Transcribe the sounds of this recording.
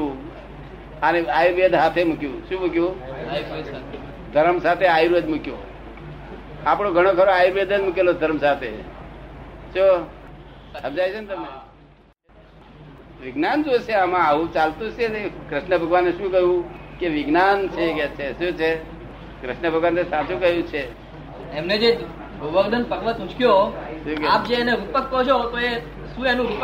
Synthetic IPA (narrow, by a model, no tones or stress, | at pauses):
ũ | əneajɾʋed̪ʱɦat̪ʰemʊkjũʃũmukjũ | d̪ʱəɾəmsat̪ʰeajɾʋed̪mukjo | apɽ̃oɡʱəɽ̃okʰəɾoajuɾʋed̪ʱəd͡ʒmuk̬elod̪ʱəɾmsat̪ʰe | t͡ʃo | səmd͡ʒajt͡ʃʰont̪əme | ʋɪɡnand͡ʒot͡ʃʰeamãaʋũt͡ʃalt̪ũt͡ʃʰeekɾɪʃnəbʱəɡʋanːeʃũkəjũkeʋɪɡnant͡ʃʰeket͡ʃʰesũt͡ʃʰe | kɾɪʃnəbʱəɡʋanesat͡ʃũkəɦjũt͡ʃʰe | emned͡ʒe | d̪oʋəɡd̪ənpəɡʋət̪ũt͡ʃkjoʃũkap̚d͡ʒeːneɾupəkːət͡ʃʰot̪oe | ʃũenũɾup